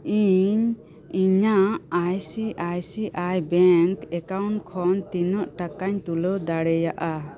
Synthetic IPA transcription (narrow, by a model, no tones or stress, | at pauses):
iɲ | iɲaajsiʔajsiʔajbɛŋkɛkawɳʈkʰɔnt̪inɔʔʈakaɲt̪ulɔd̪aɽɛjaʔa